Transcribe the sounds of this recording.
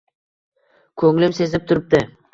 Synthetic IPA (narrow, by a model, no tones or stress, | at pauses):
kʰɵŋlɪmse̞zɪp̚t̪ʰʊɾɪp̚d̪ɪ